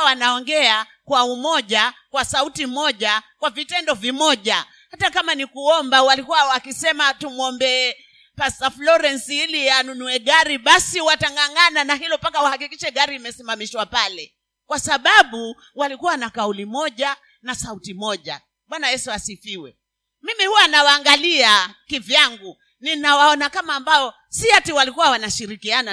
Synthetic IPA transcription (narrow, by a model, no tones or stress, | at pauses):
wanaɔŋɡɛa | kwaumɔʄakwasautimɔʄakwavitɛndɔvimɔʄa | hatakamanikuɔmbawalikuwawakisɛmatumwɔmbɛː | pastaflɔɾɛnsiilijanunuɛɠaɾiɓasiwataŋɡaŋananaɦilɔpakawahakikiʃɛɠaɾiːmɛsimamiʃwapalɛ | kwasaɓaɓu | walikuwanakaulimɔʄa | nasautimɔʄa̰ | ɓwanajɛsuasifiwɛ | mimihuwanawaːŋɡaliakivjaŋɡu | ninawaɔnakamaːmbaɔ | siatiwalikuwawanaʃiɾikiana